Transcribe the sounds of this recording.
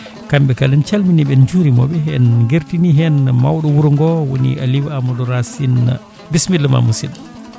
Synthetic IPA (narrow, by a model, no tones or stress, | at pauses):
kambɛkalɛnt͡ʃalminiɓɛnd͡ʒuɾimɔ̰ɓɛɦɛ̰nɡeɾtiniɦɛnmawɗɔwuɾŋɡɔwonḭʔa̰liwamɔdɔɾasin̰ | bismilːma̰musil